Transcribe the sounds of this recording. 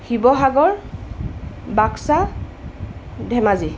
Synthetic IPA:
xibɔɦaɡɔɹ | baksa | dʱɛmazi

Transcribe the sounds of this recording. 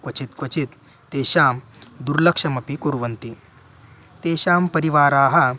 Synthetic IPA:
kʋɐt͡ɕit̪kʋɐt͡ɕit̪ː | eːɕaːm | d̪uɾlɐkʂɐmɐpikuɾʋɐnt̪i | t̪eːɕaːmpɐɾiʋaːɾaːɦɐ

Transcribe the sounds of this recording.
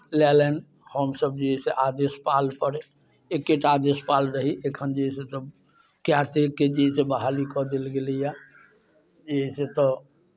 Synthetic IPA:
lɛlen | həmsəb̚d͡ʒeɦɛseʔad̪espaːlpəɾe | ekːeʈad̪espalɾəɦiʔekʰənd͡ʒəɦsesəb | kjat̪ekːed͡ʒiɦsebəɦalikɔd̪elɡelija | d͡ʒiɦɛset̪ɔ

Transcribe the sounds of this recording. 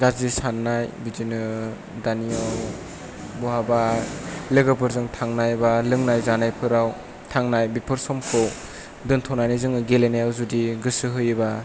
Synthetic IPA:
ɡazisanːajbidinɯ | daniaw | bɔɦabalɯɡɯpʰɯɾzɯŋtʰaŋnajbalɯŋnajzanajpʰɯɾaw | tʰaŋnajbipʰɯɾsɔmkʰow | dɯntʰɔnajnajzɯŋɯɡelenajawzudiɡɯsɯɦɯjɯba

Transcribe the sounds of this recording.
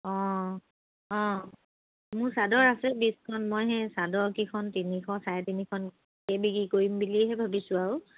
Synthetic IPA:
ɔ̃ | ɔ̃ | mʊɹsadɔɹasɛbiskʰɔnmɔjɦɛsadɔɹkikʰɔntinikʰɔsajɛtinikʰɔn | kebiɡikoɹimbiliɦɛbʱabisʊaɹʊ

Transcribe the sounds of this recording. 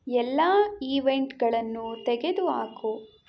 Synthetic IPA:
ɛlːaːiːʋeɳʈɡɐɭɐnːut̪ɛɡe̞d̪uaːko

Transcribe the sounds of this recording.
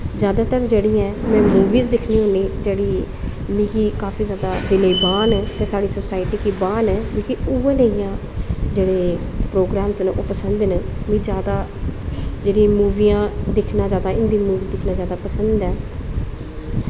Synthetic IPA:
zjaːd̪aːt̪əɾd͡ʒeːɽiːɛːmɛ̃ːmuːʋiːzd̪ɪkʰniːɦʊniːd͡ʒeːɽiː | mĩːkiːkaːpʰiːzjaːd̪aːd̪ɪleiːbaːnɛːt̪ẽːsaːɽiːsoːsaːɪʈiːkiːbaːnɛːʋĩːkiueːnẽĩjãː | d͡ʒeːɽeː | pɾoːɡɾaːmsnːʔoːpəsənd̪nmĩːzjaːd̪aː | d͡ʒeːɽĩmuːʋiːjãːd̪ɪkʰnaːd͡ʒjaːd̪aːɪnd̪iːmuːʋiːd̪ɪkʰnaːd͡ʒjaːd̪aːpəsənd̪ɛː

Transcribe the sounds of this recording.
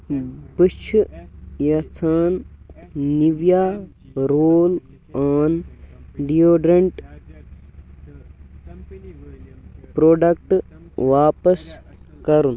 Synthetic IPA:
pɨt͡ʃʰujɐt̪ʰaːn | niʋjaː | ɾoːl | aːnɖioːɖɾɐɳʈ | pɾoːɖɐkʈʋaːpɐskɐɾun

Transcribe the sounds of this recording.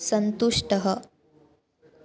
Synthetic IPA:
sɐnt̪uʂʈəɦə

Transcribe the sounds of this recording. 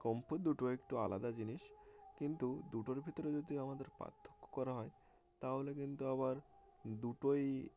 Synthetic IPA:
kɔmpod̪uʈoekʈua̰lad̪ad͡ʑiniʃkint̪ud̪uʈoɾbʱit̪oɾed͡ʑod̪iamad̪eɾpa̰t̪ʰːo̥kːo̥kɔɾaɦɔe | t̪aɦolekint̪uaβaɾ | d̪uʈoj

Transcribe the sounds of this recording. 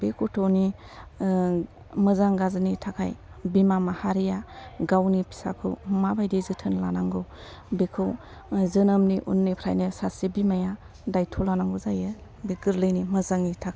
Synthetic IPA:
bekʰutʰoni | mɯzaŋɡazɯnitʰakʰa̰j | bimamahaɾijaɡawnipʰi̥sa̰kʰɯ̰wmabajdizɯtʰɯnlanaŋɡɯw | bekʰɯw | zɯnɯmniʔṵnːipʰɾajnɯsasibimaja | dajtʰɔlanaŋɡuzajɯ | beɡɯɾlɯjnimɯzaŋitʰakʰaj

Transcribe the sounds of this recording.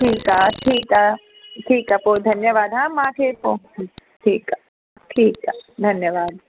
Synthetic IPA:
ʈʰiːkɦaːʈʰiːkɦaː | ʈʰiːkapoːd̪ʱɐnjəʋaːd̪ɦãːmãːkʰeːpo | ʈʰiːka | ʈʰiːkad̪ʱɐnjəʋaːd̪̚

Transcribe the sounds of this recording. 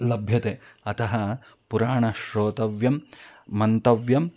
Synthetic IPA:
lɐbʱjɐt̪eɐt̪ɐɦɐ | puɾaːɳɐʃɾoːt̪ɐʋjɐmːɐnt̪ɐʋjɐm

